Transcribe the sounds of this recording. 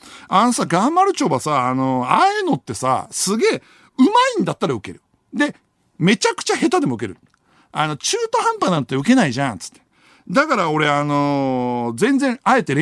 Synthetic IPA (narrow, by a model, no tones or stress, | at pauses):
ano̞saɡãmbaɾɯ̟t͡ɕo̞ːbasaːno̞aeno̞t̪ːe̞sa̰sɨɡe̞ː | ɯ̟maĩnd̪at̪ːaɾaɯ̟ke̞̰ɾɯ̟ | d̪e̞ | me̞t͡ɕakɯ̟̥t͡ɕahe̞t̪ad̪e̞mo̞ɯ̟ke̞ɾɯ̟̰ | ano̞t͡ɕɨːt̪ohãmpanãnt̪ot̪ːeɯ̟ke̞naiʑãnt͡sɨ̥t̪ːe̥ | d̪akaɾao̞ɾe̞ano̞ | zẽ̞nd͡zẽ̞ɰ̃ae̞t̪eɾe